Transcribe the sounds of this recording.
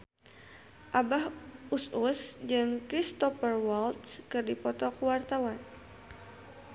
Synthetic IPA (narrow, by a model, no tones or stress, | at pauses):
ʔabaɦʔususd͡ʒɨŋkɾist̪ɔfərwalt̪skɨrdipɔt̪ɔkəwart̪awan